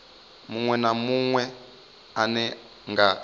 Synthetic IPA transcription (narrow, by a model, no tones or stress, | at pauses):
muŋwɛnamuŋwɛ | anɛ | ŋɡa